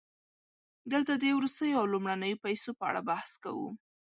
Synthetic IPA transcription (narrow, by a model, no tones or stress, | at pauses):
d̪əlt̪əd̪ewɾust̪əjoawlumɽanəjopajsopəa̰ɽa̰bahska̰wṵ